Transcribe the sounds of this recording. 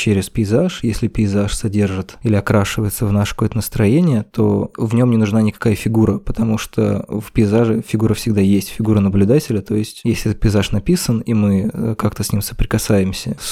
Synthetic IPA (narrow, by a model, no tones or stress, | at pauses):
t͡ɕeɾʲɪspʲɪɪzaʂjesʲlʲɪpʲɪɪzaʂsɐdʲerʐɨt̪ilʲɪɐkɾaʂɨvəjɪt̪səvnaʂɨkɐkojət̪ənəst̪ɾɐjenʲɪjət̪o̞vnʲo̞mnʲɪnʊʐnanʲɪkɐ̥kajəfʲɪɡuɾəpət̪ɐmuʂt̪o̰vpʲɪɪzaʐɨfʲɪɡuɾəfsʲɪɡ̚d̪ajesʲtʲfʲɪɡuɾənəblʲʊd̪atʲɪlʲət̪o̞jɪsʲtʲjesʲlʲɪɛt̪̚pʲɪɪzaʂnɐpʲisənimɨkakt̪əsʲnʲimsə̥pɾʲɪkɐsajɪmsʲəs